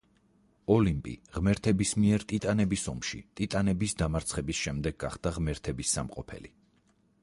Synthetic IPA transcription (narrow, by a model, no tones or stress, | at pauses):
ɔlimpʼḭʁmɛɾt̪ʰɛbismiɛɾt̪ʼit̪ʼanɛbisɔmʃḭt̪ʼit̪ʼanɛbisd̪amaɾt̪sʰχɛbisʃɛmd̪ɛɡ̚ːaχd̪̥aʁmɛɾt̪ʰɛbisːa̰mqʼɔpʰɛ̰li